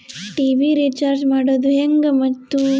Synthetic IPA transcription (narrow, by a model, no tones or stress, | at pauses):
ʈiːbiɾiːt͡ʃaːɾd͡ʒmaːɽoːd̪uɦeŋɡɐmɐt̪ːu